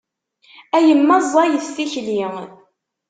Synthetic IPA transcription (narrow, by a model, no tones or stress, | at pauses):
æjəmːɑzˤːɑjəθθiçli